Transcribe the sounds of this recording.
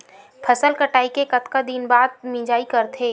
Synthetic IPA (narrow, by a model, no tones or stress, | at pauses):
pʰɐsəlkəʈaːikekɐt̪kad̪inbaːd̪̚mĩːd͡ʒaːikɐɾt̪ʰeː